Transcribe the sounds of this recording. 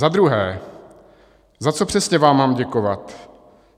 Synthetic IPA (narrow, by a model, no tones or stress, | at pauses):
zad̪ɾuɦɛː | zat͡sopr̥ɛsɲɛvaːmːaːmɟɛko̞vat̪